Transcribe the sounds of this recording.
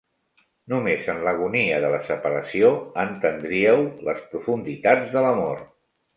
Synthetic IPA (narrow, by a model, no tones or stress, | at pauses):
numezənləɣ̞uniəðələsəpəɾəsioənt̪ənd̪ɾiəwləspɾufund̪it̪ad͡zðələmor